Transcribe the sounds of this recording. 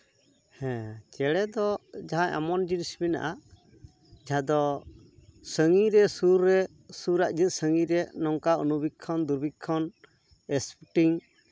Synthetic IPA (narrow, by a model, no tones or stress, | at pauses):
hɛ̃t͡ʃɛɽɛd̪ɔd͡ʒaɦaja̰mɔnd͡ʒinisbina̰ʔa | d͡ʒaɦãd̪ɔ | səŋiɾɛsuɾːɛ | suɾaʔd͡ʒət̪̚səŋiɾɛnɔŋkaunubʱit̪̚kʰɔnd̪uɾbʱit̪̚kʰɔn | ɛspuʈiŋ